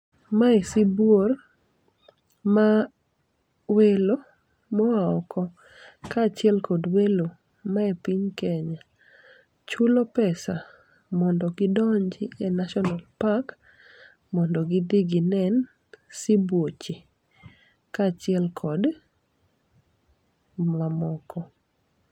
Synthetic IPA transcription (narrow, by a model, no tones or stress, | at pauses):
maesibwor | ma | welo | mɔwaɔkʰɔ | kat͡ʃɪɛlkʰɔdwelo | maepiɲkɛɲa | t͡ʃulopɛsa | mɔndɔɡɪdɔɲd͡ʒɪɛnaʃɔnalpak | mɔndɔɡɪdiɡɪnɛn | sibwot͡ʃi | kat͡ʃɪɛlkʰɔd | mamɔkɔ